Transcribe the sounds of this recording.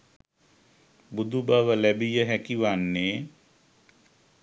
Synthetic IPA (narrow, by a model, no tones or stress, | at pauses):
bud̪ubaʋəlæbijəɦækiʋanːeː